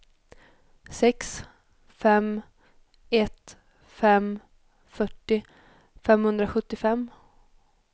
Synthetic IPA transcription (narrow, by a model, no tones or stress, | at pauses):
sɛks | fɛm | ɛt̪ | fɛm | fœʈːɪ | fɛmhɵnd̪ɾaɧɵt̪ːɪfɛmː